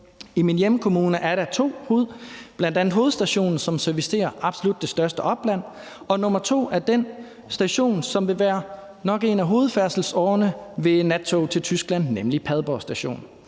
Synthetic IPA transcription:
iminjemkʰo̝muːnəʔæɐɾæt͡sʰo̝̰ːho̝ːð̞̩ˠb̥lænd̥ænð̩ˠɦo̝ːð̩ˠsd̥æɕo̝̰ːnn̩sɒ̽msæɐfisi̥dʰe̝̰ːɐʔɑ̈b̥so̝lud̥ːe̝sd̥ɶɐsd̥əʔɒ̽b̥læn̰ | ɒ̽nɔ̽mɐt͡sʰo̝̰ːæɐd̥en | sd̥æɕo̝̰ːnsɒ̽mʋe̝ʋæːɐ | nɒ̽ɡ̥e̝næɦo̝ːð̞̩ˠfæɐsl̩sɒːnəʋe̝næt͡sʰo̝t͡sʰe̝lt͡sʰysɡ̥læn̰ːemlipʰæð̞ˠb̥ɒːsd̥æɕo̝̰ːn

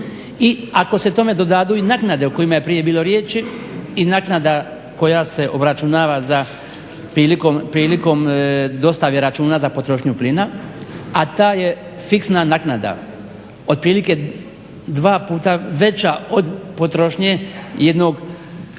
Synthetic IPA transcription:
iako̞se̞t̪o̞me̞d̪o̞d̪ad̪uinaknad̪e̞uko̞jimaje̞pɾije̞biːlˠo̞ɾjeːt͡ʃiinaknad̪a | ko̞jase̞ʔo̞bɾat͡ʃunaːʋaza | pɾiːlikompɾiːliko̞md̪o̞st̪aʋjeɾat͡ʃuːnazapo̞t̪ɾo̞ʃɲuplina | at̪aːje̞ | fiksnanaknad̪a̰ | o̞d̪̚pɾiːlike | d̪ʋaːpuːt̪aʋe̞t͡ɕaod̪po̞t̪ɾo̞ʃɲeje̞d̪no̞ɡ

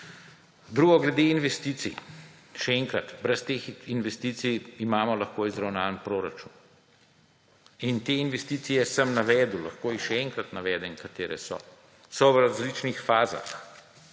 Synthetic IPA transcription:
d̪ɾuːɡɔɡlɛd̪einʋɛst̪iːt̪sḭ | ʃɛɛŋkɾat̪bɾɛst̪eːxinʋɛst̪iːt̪sijimaːmɔlɐxkoizɾawnaːlənpɾoːɾat͡ʃṵːn | int̪eːinʋɛst̪iːt̪sijɛsəmnaʋɛːd̪uwla̰xkoːixʃɛɛŋkɾat̪naʋɛːd̪ɛŋkat̪eːɾʔɛ̰sɔ̰ | sɔwɾazlit͡ʃnixfaːza̰x

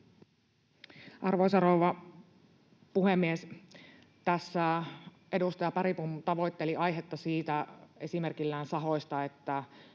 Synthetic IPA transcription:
ʔɑrʋoisɑrowʋɑ | puhemːies | t̪æsːæ | ʔe̞dust̪ɑjɑpɑɾipumt̪ɑʋo̞jt̪ːe̞liɑjɦet̪ːɑsiːt̪æe̞simerkilːæːnsɑɦo̞jst̪ɑe̞t̪ːæ

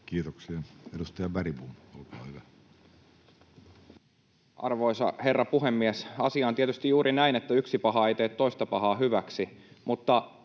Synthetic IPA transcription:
kiːt̪oksiɑedust̪ɑjɑbæɾibumolkɑɑ̰hyʋæ | ʔɑ̰rʋoisɑ̰he̞rːɑpuɦemːiesɑsiɑːnt̪iet̪yst̪ijjuːɾʔinæinet̪ːæyksipɑɦɑeit̪eːt̪toist̪ɑpɑhɑːɦyʋæksi | mut̪ːɑ

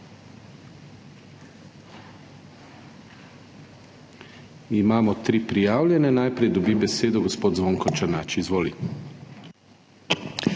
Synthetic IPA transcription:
imaːmɔt̪ɾiːpɾijaːwlʲjɛnɛnajpɾɛjd̪ɔbibɛseːd̪ɔɡɔspoːd̪zʋoːŋkɔt͡ʃanaːt͡ʃizʋoːlḭ

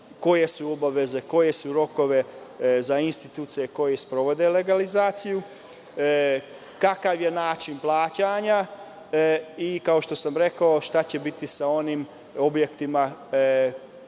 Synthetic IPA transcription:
ko̞je̞suo̞baʋe̞ze̞ko̞je̞suɾo̞ko̞ʋe̞zainst̪it̪uːt̪sije̞ko̞jespɾo̞ʋod̪e̞le̞ɡalizaːt̪siju | kakaʋje̞naːt͡ʃinplˠaːt͡ɕaɲa | ikao̞ʃt̪o̞samɾe̞kaoʃt̪at͡ɕe̞bit̪isao̞nim | o̞bje̞kt̪ima

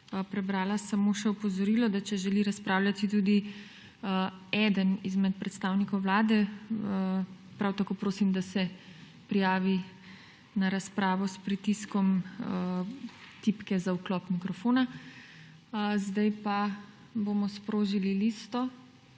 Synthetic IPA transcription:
pɾɛbɾaːlasamoːʃɛɔpɔzɔɾiːlɔd̪at͡ʃɛʒɛliɾaspɾaːwlʲjat̪it̪uːd̪i | ɛːd̪ənizmɛt̪̚pɾɛt̪st̪aːwnikɔwʋlaːd̪ɛ | pɾawt̪akoːpɾoːsimd̪asɛ | pɾijaːʋi | naɾaspɾaːʋɔspɾit̪iskɔm | t̪ipkɛzauklɔpmikɾɔfoːna | zd̪ajpa | bomɔspɾoːʒililist̪ɔ

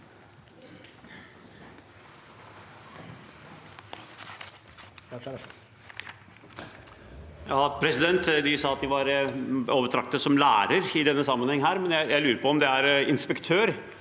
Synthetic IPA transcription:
jɑːpʰɾɛsɪd̪ɛnt̪d̪ɪsɑːɑt̪̚d̪ɪʋɑɾoːʋəʈ̪ʰɾɑk̚t̪əsɔmlæ̰ːɾəɾɪd̪ɛnːəsɑmːənhɛŋːɦæːɾmɛnjæɪjæɪlʉːɾəpɔɔmd̪ɛæɾɪnspɛkt̪ʰøːɾ

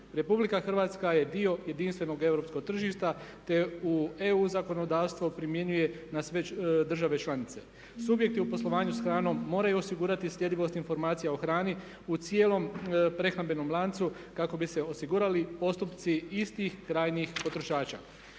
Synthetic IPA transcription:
ɾe̞publikaxr̩ʋaːt̪skaje̞d̪io̞je̞d̪inst̪ʋe̞no̞ɡe̞ʋɾo̞pskoɡ̚t̪r̩ʒiʃt̪at̪e̞ue̞uzako̞no̞d̪aːʋst̪ʋopɾimje̞ɲuje̞nasʋe̞d̪r̩ʒaʋe̞t͡ʃlˠanit̪se̞ | subje̞k̚t̪iupo̞slˠo̞ʋaːɲusxɾaːno̞mːo̞ːɾajuo̞siɡuːɾat̪isʎʲje̞d̪iʋo̞st̪info̞ɾmaːt̪sijaoxɾaːni | ut̪sje̞ːlo̞mpɾe̞xnabe̞no̞mlˠaːnt̪su | kako̞bise̞o̞siɡuːɾalipo̞st̪upt̪siist̪ixkːɾaːjnixpo̞t̪ɾo̞ʃaːt͡ʃa̰

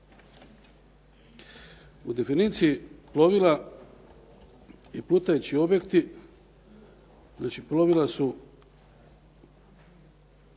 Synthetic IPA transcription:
ud̪e̞finit̪siiplo̞ʋila | iplut̪ajut͡ɕio̞bjekt̪i | znaːt͡ʃiplo̞ʋilasu

